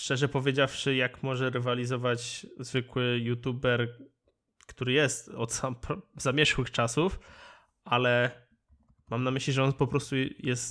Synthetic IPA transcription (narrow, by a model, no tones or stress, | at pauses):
ʂt͡ʂɛʐɛpɔvʲjed͡ʑafʂɘjakmɔʐɛɾɛvalʲizɔvat͡ɕzvɘkwɘjut̪ubɛɾ | kt̪uɾɘjɛst̪ɔt̪sampɔzamʲjɛʂwɘxt͡ʂasuf | ʔalɛ | mamnamɘɕlʲiʐɛɔnpɔpɾɔst̪ujɛst̪